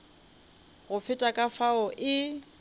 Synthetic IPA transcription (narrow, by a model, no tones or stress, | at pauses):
ɣʊfɪtʼakʼafaʊʔɪ